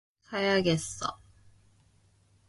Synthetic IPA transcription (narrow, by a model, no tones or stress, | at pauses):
kʰajaɡes͈ʌ̰